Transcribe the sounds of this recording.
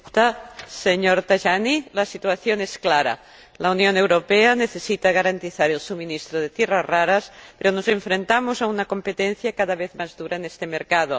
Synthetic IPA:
t̪aseɲoɾt̪aʒanilasit̪waθjoŋesklaɾa̰ | launjonewɾopeaneθesit̪aɣ̞aɾant̪iθaɾelsuminist̪ɾoð̞et̪jerazraɾaspeɾonozeɱfɾent̪amozaunakompet̪en̟θjakaðaβeθmazðuɾaenest̪emeɾkað̞o

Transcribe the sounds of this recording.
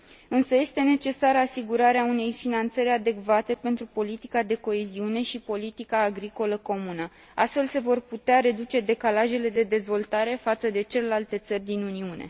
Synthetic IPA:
ɨnsəje̞st̪e̞ne̞t͡ʃe̞saɾəasiɡuɾaɾeaune̞jfinant̪səɾʲad̪e̞kvat̪e̞pe̞nt̪ɾupo̞lit̪i̥kad̪e̞ko̞e̞ziune̞ʃipo̞lit̪ikaːɡɾiko̞ləko̞munə | ast̪fe̞lse̞vo̞rput̪eaɾe̞d̪ut͡ʃe̞d̪e̞kalaʒe̞le̞d̪e̞d̪e̞zvo̞lt̪aɾe̞fat̪səd̪e̞t͡ʃe̞le̞lalt̪e̞t̪sərʲd̪inuniune̞̰

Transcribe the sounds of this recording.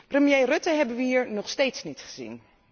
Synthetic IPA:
prəmjejrɵtəɦɛbənʋəiːɹnɔχstejtsnitχə̥z̥ḭn

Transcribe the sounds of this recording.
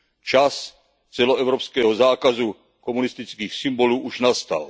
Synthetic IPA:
t͡ʃas | t͡sɛloɛʊɾopskɛːɦɔzaːkazu | komunist̪it͡skiːxsimboluːʔuʒnast̪a̰l

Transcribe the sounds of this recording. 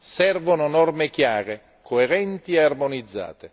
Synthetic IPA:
sɛrvʊnʊnɔrmɪkjaːɾe | kʰoeɾɛnt̪iɛarmonid̪zːa̰ːt̪e

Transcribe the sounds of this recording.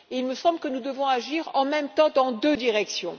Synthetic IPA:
eilməsɑ̃bləkənud̪əvɔ̃aʒiʁɑ̃mɛmt̪ɑ̃d̪ɑ̃d̪ød̪iʁɛksjɔ̰̃

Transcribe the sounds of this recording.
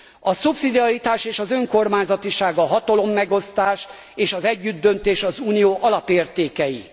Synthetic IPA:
ɒsupsid̪iɒɾit̪aːʃeːʃɒzø̞ŋko̞rmaːɲzɒt̪iʃaːɡɒɦɒt̪ɒlo̞mːɛɡo̞st̪aːʃ | eːʃɒzɛɟːyd̪ːø̞nt̪eːʃɒzuːnijoːʔɒlɒpeːrt̪eːkɛji

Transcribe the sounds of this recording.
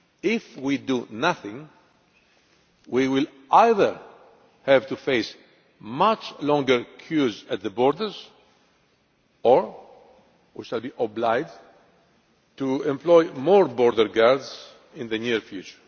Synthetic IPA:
ifwid̪unaθĩŋ | wiwil | ajðəɹ | hɛvt̪ufejs | mat͡ʃlɔ̃ŋɡəɹkʰjuzat̪̚ðəbɔɹd̪əɹz | ɔɹ | wḭʃalbiʔoblajd͡ʒ | tuɛ̃mplojmɔɹbɔɾd̪əɾɡaɹdz | ĩnðəniɹfjut͡ʃə

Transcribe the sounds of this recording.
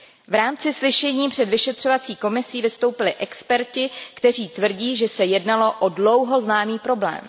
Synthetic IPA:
vɾaːmt͡sɪslɪʃɛɲiːpr̥ɛdvɪʃɛt̪r̥o̞vat͡siːko̞mɪsiːvɪst̪o̞wpɪlɪʔɛkspɛɾcɪkt̪ɛr̝iːt̪vr̩ɟiːʒɛsɛjɛdnalo̞ʔodlo̞wɦo̞znaːmiːpɾo̞blɛ̰ːm

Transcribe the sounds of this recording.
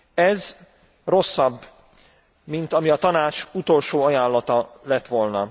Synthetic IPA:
ɛz | ro̞sːɒb | mint̪ɒmiɒt̪ɒnaːt͡ʃut̪o̞lʃoːɒjaːnlːɒt̪ɒlɛt̪ʋo̞lnɒ

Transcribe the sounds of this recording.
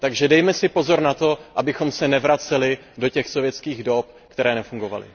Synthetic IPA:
t̪aɡʒɛdɛjmɛsɪpo̞zo̞ɾnat̪o̞ʔabɪxo̞msɛnɛvɾat͡sɛlɪ | do̞cɛxsovjɛt͡skiːɣdo̞p̚ | kt̪ɛɾɛːnɛfuŋɡo̞va̰lɪ̰

